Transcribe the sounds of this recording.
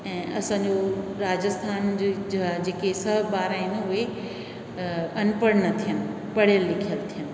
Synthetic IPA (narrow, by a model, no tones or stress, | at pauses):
ɛ̃ːʔɐsãːɲd͡ʑoɾaːd͡ʑəst̪ʰaːnd͡ʑd͡ʑad͡ʑeːkesɐɦbaːɾaːɪ̃nʊɦe | ɐnpəɽnɐt̪ʰijənɪ̆ | pɐɽ̤jəlːɪkʰijəlt̪ʰijənɪ̆